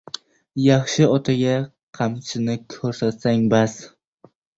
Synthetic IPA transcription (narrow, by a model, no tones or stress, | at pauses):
jɑχʃɪɒt̪ʰaɡʲa | qʰɑmt͡ʃʰɪnɪkʲʰɵɾsat̪saŋbaz